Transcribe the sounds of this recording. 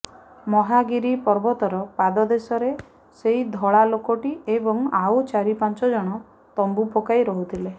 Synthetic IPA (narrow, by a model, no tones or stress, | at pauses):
mɔɦaɡiɾipɔɾbɔt̪ɔɾɔpad̪ɔd̪esɔɾe | seid̪ʱɔɭalokɔʈiebɔŋawt͡ʃaɾipant͡ʃɔd͡ʒɔɽ̃ɔ | t̪ɔmbupokajɾɔɦut̪ʰile